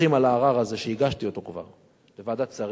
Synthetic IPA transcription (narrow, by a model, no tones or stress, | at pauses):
imalaːʁaʁaze̞ʃeiɡaʃt̪io̞t̪o̞kva̰ʁ | levad̪at͡saʁ